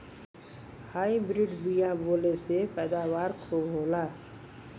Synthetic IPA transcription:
haːibɾɪɖbijãboːlesepɛːd̪aːwaːɾkʰooːlaː

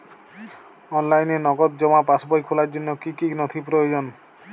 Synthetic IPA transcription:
ɔnlajnenɔɡɔt̪̚d͡ʒɔmapasbɔjkʰolaɾd͡ʒonːokikinɔt̪ʰipɾojod͡ʒon

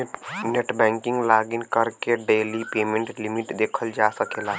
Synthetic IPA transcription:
neʈbɛ̃ːŋkɪ̃ŋɡlaːɡiɪnkəɾkeɖeːlipeːmẽɳʈlimɪʈd̪eːkʰəld͡ʒaːsəkeːla

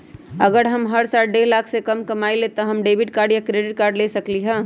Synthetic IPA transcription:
əɡəɾɦəmɦəɾsalɖelakʰsekəmkɐmailet̪ɔɦəmɖebʱɪʈ̚kaːɾɖjakɾeɖɪʈ̚kaːɾɖlesəkliɦə̃

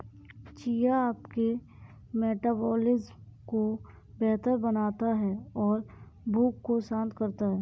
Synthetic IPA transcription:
t͡ʃiːjaaːpke | meːʈaːbɔːlɪzko | bɛɦt̪əɾbɐnaːt̪aɦɛɔːɾ | bʱuːkːosãːnt̪kəɾt̪aɦɛː

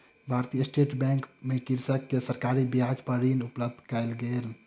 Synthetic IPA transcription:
bʱaɾt̪ijəsʈeʈbɛ̃ŋkmekiɾsəkːesəɾkaɾibiad͡ʒpəɾinupləb̚d̪ʱkajlɡel

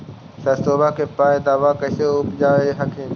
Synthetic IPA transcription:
sɐsoːbakʰeːpaːed̪aːʋakɐseʊpd͡ʑaːʋeɦɐkʰẽ

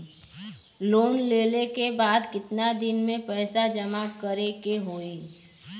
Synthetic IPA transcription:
loːnleːlekebaːd̪kɪt̪nad̪ɪnmẽpɛːsad͡ʒəmakəɾekeɦoːe

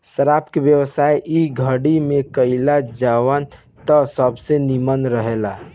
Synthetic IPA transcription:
səɾaːpkeʋjəwəsaːjʔiɡʱəɽimẽkəɪlad͡ʒawən | t̪ɔsəbsenimənɾəɦela

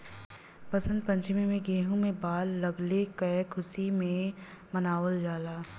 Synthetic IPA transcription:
pɐsə̃nd̪̚pɐ̃ɲt͡ʃɪmemẽɡeːɦũmẽbaːlːɐɡlekəkʰʊsimẽ | mɐnaːwəld͡ʒaːlaː

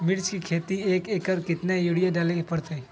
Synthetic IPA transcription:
mɪɾt͡ʃkikʰeːt̪ieːkeːkəɾkɪt̪nejuɽijaɖaːlekepɐɽt̪e

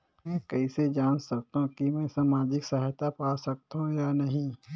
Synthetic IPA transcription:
mɛ̃ːkɛised͡ʒaːnsɐk̚t̪aɦũkimɛ̃ːsaːmaːd͡ʒɪksɐɦajt̪apaːsɐk̚t̪ɦũjanɐɦĩ

